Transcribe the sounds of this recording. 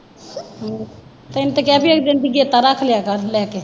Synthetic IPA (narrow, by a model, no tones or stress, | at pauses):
t̪oɪnt̪ekɛːpʰiekzɪ̃nd̪əɡiet̪aɾakʰljakəɾlɛːke